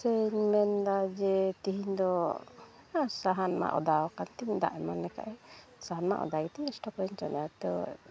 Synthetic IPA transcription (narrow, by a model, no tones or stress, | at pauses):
seɲmɛnd̪ad͡ʒɛt̪iɦiɲd̪ɔ | asaɦanma̰ʔɔ̰d̪awakant̪iɲd̪a̰ʔɛmanɛka̰ʔɛsaɦanma̰ʔɔ̰d̪aɡit̪ɛɛsʈɔpɔɾɛɲt͡ʃɔnat̪ɔ